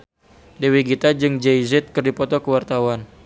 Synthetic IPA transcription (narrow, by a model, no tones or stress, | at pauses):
dewiɡit̪ad͡ʒɨŋd͡ʒejzɛt̪̚kɨrdipɔt̪ɔkəwart̪awan